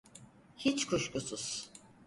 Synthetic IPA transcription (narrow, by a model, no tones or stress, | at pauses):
hit͡ʃkʰuʃkʼusuz̥